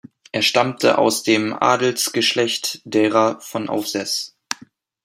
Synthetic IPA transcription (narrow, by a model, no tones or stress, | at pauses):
ʔeːɐʃtamtʰə̰ʔa̰ʊsd̥eːmʔa̰ːdl̩sɡ̥əʃlɛçtd̥eːʁɐfɔnʔa̰ʊfz̥ɛs